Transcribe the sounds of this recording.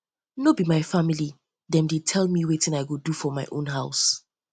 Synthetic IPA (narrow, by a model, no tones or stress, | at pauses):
nobimaɪfamili | dɛ̃mdetʰɛlmiwetɪ̃naɪɡodufɔmaɪʔõ̰nɦaʊs